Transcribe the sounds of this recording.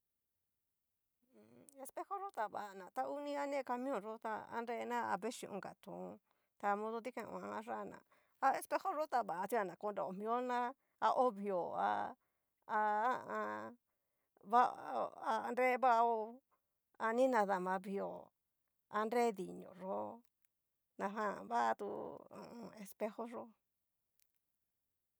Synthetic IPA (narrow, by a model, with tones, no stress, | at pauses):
e˧spe˦xo˦ɾo˦t̪a˨βa̰˨nã˨t̪a˦˧u˦nĩ˦a˦˧nẽ˦˧ka˧mĩ˦õ˧ʐo˦t̪a˧a̰˦nɾe˦˧nã˦a̰˧˨βe˦ʃĩ˧˨ʔṵ̃˧ŋɡa̰˨t̪ũ˨˧ | t̪a˧mõ˧ðo˧t̪i˦kã̰˧˨ṵ̃˧a˧a˦ʐa˦˨nã̰˨ | a˧e˧spe˦xo˦ɾo˦t̪a˧βa˨t̪i˦a˧˨nã˨ko˧ɾa˧o˧˨mĩ˧o˦nã˦ | a˧ʔo˦βi˧˨o˨a̰˧ | a˧˦ã˧ | βa˦a˧nɾe˦βa˦o˧ | a˧nĩ˦nã˧ða˨mã˧βi˧o̰˨ | a˧nde˦ði˨ɲõ̰˨ʐo˦ | nã˧ɦã˦˨βa˦˧t̪ṵ˧ṵ̃˨˧e˧spe˦xo˦ʐo˦